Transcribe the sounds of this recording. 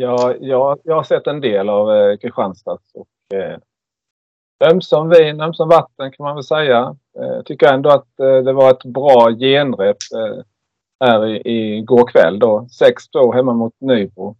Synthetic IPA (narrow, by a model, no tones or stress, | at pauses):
jɑːjɑːjɑːhaɾʂɛt̪ːɛnd̪eːlavkʰɾɪɧanst̪asɔ̰k | œmsɔmviːnœmsɔmvat̪ːənkʰanmanvɛlsɛjːa̰ | t̪ʰʏkːəjɛnd̪ɔat̪d̪ɛvaɾɛt̪bɾɑːjeːnd̪ɾɛp | hæːɾɪʔɪɡoːɾkʰvɛ̰lːd̪osɛkst̪ʰvoːɦɛmːamʊt̪nyːbʊ